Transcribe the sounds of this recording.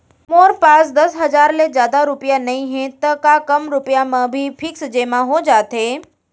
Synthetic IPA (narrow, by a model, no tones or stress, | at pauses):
moːɾpaːsd̪ɐsɦɐzaːɾlezjaːd̪aɾʊpijanɐĩɦẽt̪ɐkakɐmɾʊpijamãbʱipʰɪksd͡ʒeːmãɦod͡ʒaːt̪ɦeː